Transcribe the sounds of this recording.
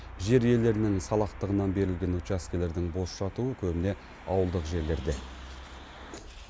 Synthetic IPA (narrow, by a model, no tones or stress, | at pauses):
ʒe̞ɾje̞ld̪e̞ɾɪnɪŋsɑlˠɑqt̪əʁənɑnbe̞ɾɪlɡʲe̞nut͡ʃaskʲele̞ɾd̪ɪŋbo̞sʃɑt̪uəkʲʰɵbɪne̞ | ɑwəlˠd̪əqʒe̞ɾle̞ɾd̪e̞